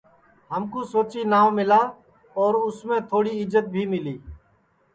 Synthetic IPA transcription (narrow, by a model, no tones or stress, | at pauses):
ɦəmkoːsoːt͡ʃiːnaːʋmɪlaː | ɔːɾʊsmẽːt̪ʰoːɽiːɪzət̪̚bʱiːmɪliː